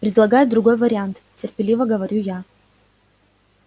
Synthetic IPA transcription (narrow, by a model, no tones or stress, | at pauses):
pɾʲɪd̪lˠɐɡajʊd̪ɾʊɡo̞jvɐɾʲɪant̪tʲːɪrpʲɪlʲivɐɡɐvɐɾʲuja